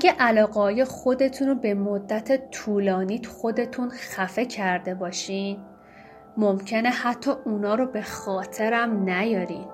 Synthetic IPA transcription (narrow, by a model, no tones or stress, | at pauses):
æɡæʔælɒːɣeɦɒːjexo̞d̪e̞t̪ʰunobe̞mod̪ːæt̪ʰet̪ʰuːlɒːniːt̪ʰxo̞d̪e̞t̪ʰunxæfe̞cʰæɾd̪e̞bɒːʃin | momcʰe̞ne̞hæt̪ʰːɒːʔunɒːɾobe̞xɒːt̪ʰe̞ɾæmnæjɒːɾiːd̪̥